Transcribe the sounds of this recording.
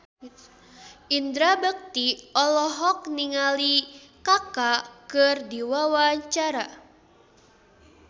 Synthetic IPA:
ind̪ɾabək̚t̪iɔlɔɦɔk̚niŋalikakakɨrdiwawaɲt͡ʃaɾa

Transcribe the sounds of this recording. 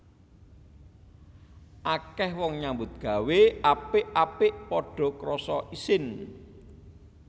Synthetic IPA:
ʔakɛhwɔŋɲambʊt̪̚ɡ̥a̤weʔapɪʔapɪʔpɔɖ̥ɔ̤kɾɔsɔʔisɪn

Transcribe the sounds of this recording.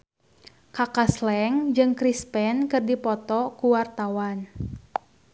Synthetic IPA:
kakaslɛŋd͡ʒɨŋkɾispɛnkɨrdipɔt̪ɔkuwart̪awan

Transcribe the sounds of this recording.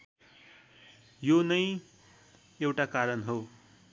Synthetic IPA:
jonʌj | ewʈakaɾʌnɦo

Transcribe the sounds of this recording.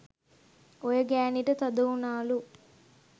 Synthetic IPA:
ojəɡæːniʈət̪ɐd̪ɐunaːlu

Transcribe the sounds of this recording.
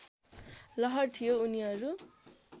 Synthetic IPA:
lʌɦʌrt̪ʰijouniɦʌɾu

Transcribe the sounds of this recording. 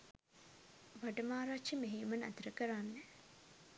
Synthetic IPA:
ʋaʈəmaːɾaʃəmeɦeːmənat̪əɾəkəɾanːe

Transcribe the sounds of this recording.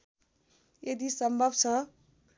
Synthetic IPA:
ed̪isʌmbʱʌbt͡sʰʌ̃

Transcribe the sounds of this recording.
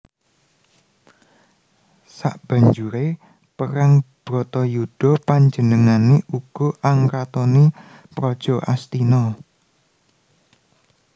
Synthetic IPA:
saʔb̥a̤ɲd͡ʒuɾe | pəɾaŋb̥ɾɔt̪ɔjud̥ɔ̤paɲd͡ʒənəŋaneʔuɡ̥ɔ̤ʔaŋkat̪ɔne | pɾɔd̥ʒ̥ɔ̤ʔa̰st̪inɔ

